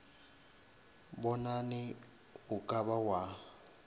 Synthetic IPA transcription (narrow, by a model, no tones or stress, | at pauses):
bɔnanɪ | ʊkʼabawa